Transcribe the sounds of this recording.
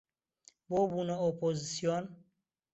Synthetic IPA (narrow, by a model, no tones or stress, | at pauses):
bobunɔopʰozisijon